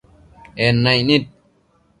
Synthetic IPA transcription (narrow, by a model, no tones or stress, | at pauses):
enːɐjnit̪̚